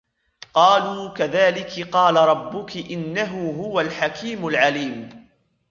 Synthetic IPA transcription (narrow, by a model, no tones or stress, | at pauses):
qɑːluːkaðaːlɪkɪqɑːlaɾˤɑbːʊkɪʔɪnːaɦʊɦʊwalħakiːmʊlʕaliːm